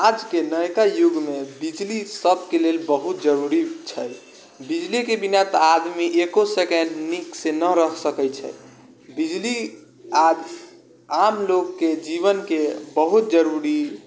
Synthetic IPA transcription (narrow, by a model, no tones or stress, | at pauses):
ad͡ʒkenəjkajuɡmebid͡ʒlisət̪kelelbəɦut̪̚d͡ʒəɾuɾit͡ʃʰəj | bid͡ʒlikebinat̪ɔad̪miʔekosekɛnɖniksenəɾəɦsəkɛt͡ʃʰə̰j | bid͡ʒli | ad͡ʒ | amlokːed͡ʒiβənkebəɦut̪̚d͡ʒəɾuɾi